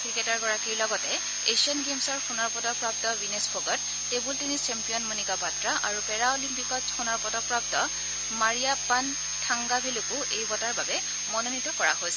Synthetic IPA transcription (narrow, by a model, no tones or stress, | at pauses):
kɹikɛtaɹɡɔɹakiɹlɔɡɔtɛ | esiɔnɡemsɔɹxunɔɹpɔtɔpɹap̚tɔbinespʰoɡɔtː | ebultinit͡ʃɛmpijɔnmonikapatɹaʔaɹupɛɹaolimpikɔtxunɔɹpɔtɔpɹap̚tɔ | maɹijapan | tʰaŋɡabʱelukuʔejbɔtaɹbabɛ | mɔnonitɔkɔɹa̰ɦojs